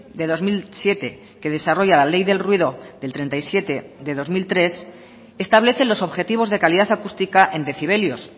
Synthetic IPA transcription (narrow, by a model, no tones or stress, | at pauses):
d̪e̞ðo̞zmilsje̞t̪e̞ | ke̞ð̞e̞saro̞ʝalale̞jðe̞lrwiðo̞ðelt̪ɾe̞nt̪ajsje̞t̪e̞ðe̞ðo̞zmilt̪ɾe̞s | e̞st̪aβleθe̞lo̞so̞βxe̞t̪iβ̞o̞zðe̞kaliðaθakust̪ikaʔe̞nd̪e̞θiβ̞e̞ljos